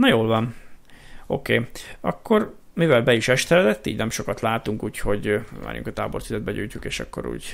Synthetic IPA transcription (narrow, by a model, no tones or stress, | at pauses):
nɒjoːlvɒn | o̞̰kḛːɒ̰kːo̞r | mivɛlbɛiʃɛʃt̪ɛlɛd̪ɛt̪ːiːɟnɛmʃo̞kɒt̪laːt̪uŋkuːcho̞ɟva̰ːɾjʔṵŋkɒt̪a̰ːbortsizɛd̪bɛɟṵːjtukeːʃɒ̰kːo̞̰ɾṵːɟ